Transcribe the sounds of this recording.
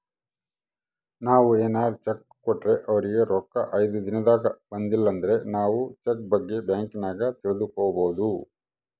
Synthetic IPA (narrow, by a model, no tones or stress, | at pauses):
naːʋueːnaːɾut͡ʃɐk | kɔʈːɾe̞ʔɐʋɐɾiɡe̞ɾɔkːɐʔɐjd̪ud̪inɐd̪aːɡɐbɐnd̪ilːɐnd̪ɐɾe̞naːʋut͡ʃek̚bɐɡːe̞bjaːŋkinaːɡɐt̪iɭɐd̪ukoːɐboːd̪u